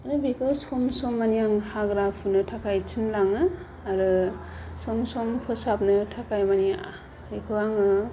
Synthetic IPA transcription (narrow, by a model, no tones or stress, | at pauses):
aɾɯbikɯsɔmsɔmːanijaŋhaɡɾapʰunɯtʰakʰajtʰɯnlaŋɯ | aɾɯ | sɔmsɔmpʰɯsap̚nɯtʰakajmania | ikʰɯwaŋɯ